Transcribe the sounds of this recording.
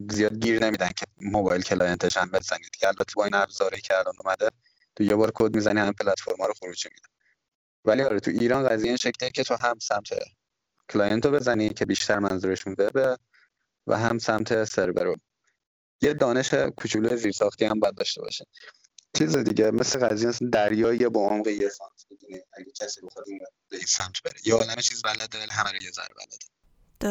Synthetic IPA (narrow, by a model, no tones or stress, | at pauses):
zijɒːd̪̚ɟiːɾne̞miːd̪æncʰe̞mobɒjlkʰelɒːje̞nt̪ʰeʃhæmbe̞zænid̪̥cʰeælbæt̪ʰːebɒːiːnæbzɒːɾɒjicʰeælɒːnomæd̪e | t̪ʰujebɒːɾkʰod̪̚mizænihæmimpʰelæt̪fo̞ɾmhɒːɾoxoɾuːd͡ʒimid̪æn | væliɒːɾet̪ʰuiːɾɒːnɣæzijeinʃecʰliecʰe̞t̪ʰoɦæmsæmt̪ʰḛ | kʰlɒːjent̪ʰobe̞zænicʰe̞biːʃt̪ʰæɾmænzuːɾeʃunbe̞be | væ̰ɦæmsæmt̪ʰe̞se̞ɾbeɾo | jed̪ɒːne̞ʃekʰut͡ʃʰulujeziːɾsɒːxt̪iːhæmbɒjæd̪̚ːɒːʃt̪e̞bɒ̰ːʃi | t͡ʃʰiːzed̪iɟemesleɣæzijemsd̪æɾjɒːjeboomɣejesɒmt̪ʰbid̪uniæɟʲecʲʰæsiːboxod̪inbeiːnsæmt̪ʰbeɾijeɒːlæmet͡ʃʰiːzbælæd̪elɦæmæɾojezæ̰ɾbæ̰læ̰d̪e̥